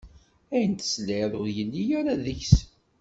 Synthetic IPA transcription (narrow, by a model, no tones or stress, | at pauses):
æjənt̪ə̥slɪðʊɾjəlːijæɾaðəçs